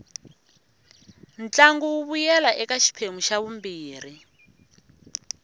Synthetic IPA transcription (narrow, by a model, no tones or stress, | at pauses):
n̩t͡ɬaŋɡuwuβujɛlaʔɛkaʃi̥pʰemuʃaβumbiːri